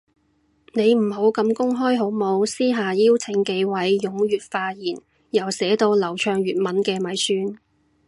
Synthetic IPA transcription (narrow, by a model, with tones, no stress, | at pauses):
ne˨˧jm̩˨˩ɦo˨˥wkɐ˧mkʊ˥ŋɦɔː˥jɦo˨˥wmo˨˧wsiː˥ɦaː˨jiː˥wt͡sʰɪ˨˥ŋke˧jwɐ˨˥jːʊ˨˥ŋjyː˨t̚faː˧jiː˨˩n | jɐ˨˩wsɛː˨˥t̪o˧wlɐ˨˩wt͡ʃʰœː˧ŋjyː˨t̚mɐ˨˥nkɛː˧mɐ˨˥jsyː˥n